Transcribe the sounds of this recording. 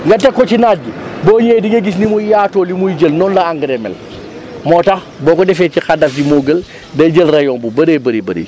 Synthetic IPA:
ŋɡɐtɛkːɔcinaːɟuboːɲɛːdiŋɐɡis̬nimujaːtoːlimujiɟəlnɔːnlɐaŋɡɾɛmɛ̰l | mɔtɐx | bɔːkɔdɛfɛːcixadɐfɟimoːɡəl | dɐɟəlrɐjɔːmbubɐɾeːbɐɾebɐ̰ɾḛː

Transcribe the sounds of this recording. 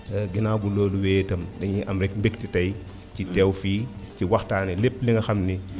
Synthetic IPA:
ɡinaːbuloːluweːtɐmdɛŋɲiʔɐmɾɛk̚mbektitɐj | citɛwfiːciwɐxtaːnɛlepːliŋɡɐxɐmni

